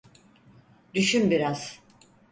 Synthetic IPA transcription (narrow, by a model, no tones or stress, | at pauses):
d̪yʃymbiɾaz̥